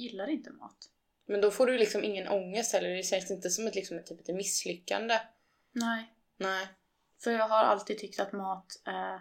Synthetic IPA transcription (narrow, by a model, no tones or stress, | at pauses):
jɪlːaɾɪnt̪əmɑ̰ːt̪ | mɛnd̪ɔfoːɖɵlɪksɔmʔɪŋːənʔɔŋːəst̪hɛlːəɖɛɕɛnsɪnt̪əsɔmat̪lɪksɔmɛt̪ʰːyːpɛt̪mɪsːlʏkːa̰nd̪ə | nɛ | nɛː | fœɾjɑːɡɦaɾa̰lt̪iːd̪̚t̪ʰʏk̚t̪at̪mɑːt̪æɾ